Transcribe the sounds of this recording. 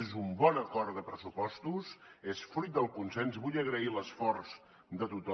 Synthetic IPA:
ezumbɔnəkɔrt̪d̪əpɾəsupɔst̪usesfɾuit̪̚d̪əlˠkunsenzβuʎəɣɾəiləsfɔrz̥ | d̪ət̪ut̪ɔ

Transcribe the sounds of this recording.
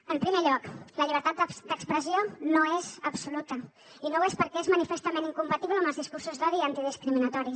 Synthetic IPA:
əmpɾimeʎɔkləʎiβ̞əɾt̪at̪̚d̪d̪əkspɾəzionoezəbsulut̪ə | inowespəɾkɛezmənifest̪əmeniŋkumpət̪iβləːməlzðiskursuzðɔðiant̪iðiskɾiminət̪ɔɾi

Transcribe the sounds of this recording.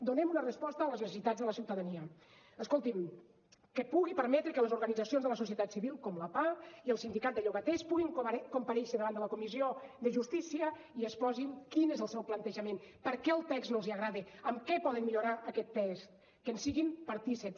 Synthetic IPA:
d̪unɛmunərəspɔst̪əːləznəsəsit̪add͡zðələsiwt̪əðəniə | əskolˠt̪im | kəpuɣipəɾmɛt̪ɾəkələzuɾɣənid͡zəsionzðələsus̬iət̪at̪siβilˠkɔmləpaiəlˠsind̪ikat̪̚d̪əʎoɣət̪ɛspuɣiŋkompəɾɛʃəðəβand̪ələkumizioðəʒust̪isiə | iəspɔziŋkinezəlˠsɛwplənt̪əʒəmenpəɾkɛəlˠt̪ɛkznoziəɣɾaðiəmkɛpɔðənmːiʎuɾaʔəkɛt̪ːɛst̪ | kənsiɣimpəɾt̪isep

